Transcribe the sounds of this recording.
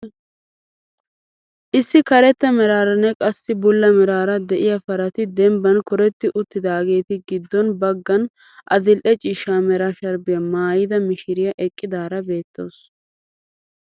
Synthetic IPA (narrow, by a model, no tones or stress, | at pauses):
ʔɪsːɪkɐɾɛt̪ːɐmɛɾaːɾɐnːɛkʼɐsːɪbʊlːɐmɛɾaːɾɐd̪ɛʔɪjɐfɐɾɐt̪ɪd̪ɛmbɐnkɔɾɛt̪ːɪʔʊt̪ːɪd̪aːɡe̞ːt̪ɪɡɪd̪ːɔnbɐɡːɐn | ʔɐd̪ɪlʔɛt͡ʃʼɪːʃaːmɛɾaʃɐɾbɪjɐmaːjɪd̪ɐmɪʃɪɾɪjɐʔɛkʼːɪd̪aːɾɐbe̞ːt̪ːo̞ːs